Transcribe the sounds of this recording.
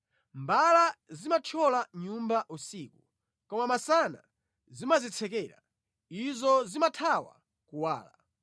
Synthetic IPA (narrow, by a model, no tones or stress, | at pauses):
mbalazimat͡ʃʰɔlaɲumbaʔusiːku | kɔmamasana̰ | zimazit͡sʰɛkɛːɾa̰ | izɔzimatʰawa̰ | kuwa̰ːla